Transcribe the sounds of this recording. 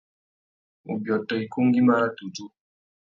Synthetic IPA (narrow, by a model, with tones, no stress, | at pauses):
ṵ˨bjɔ˨tɔ˨i˨ku˦ŋ˦ɡi˦ma˦ɾa˦tu˨d͡ʒu˦